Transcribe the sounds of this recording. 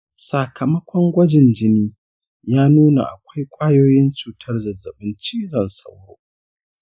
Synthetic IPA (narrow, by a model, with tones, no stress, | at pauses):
sa˨kʰɐ˨mɐ˦kʷʰɔ˦ŋɡʷɐ˦d͡ʒɪ˨nd͡ʒɪ˦niː˦ | jaː˦nuː˦na̰˨ʔa̰˨kʷa˦jkʷʼaː˦joː˦jɪ˦nt͡ʃuː˨tʰɐ˦rzɐ˨zɐ˨ɓɪ˦nt͡ʃiː˦zɐ˨nsɐ˦who̰˦